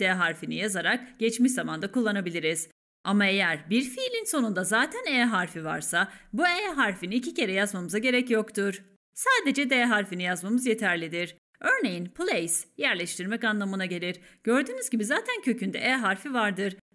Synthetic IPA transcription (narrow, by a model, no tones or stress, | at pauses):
d̪eɦaɾfinijazaɾakɟ̥ɛt͡ʃmiʃzamand̪akulˠːanabilʲiɾiz̥ | amae̞jæɾbiɾfilʲinso̞nund̪azaːt̪ʰæneːɦaɾfiva̰ɾsabuɛːɦaɾfiniːcʰice̞ɾɛjazmamɯzaɟe̞ɾɛcjo̞kt̪ʰuɾ̥ | saːd̪e̞d͡ʒɛd̪eɦaɾfinijazmamɯzje̞t̪ʰæɾlʲid̪iɾ̥ | ø̞ɾne̞jinpʰlʲˠejsjæɾlʲɛʃt̪iɾmɛcanlˠamɯnaɟe̞lʲiɾɟ̥ø̞ɾd̪yːnyzɟibizaːt̪ʰæncʰø̞cʰynd̪ɛ̰ʔɛɦaɾfivaɾd̪ɯɾ̥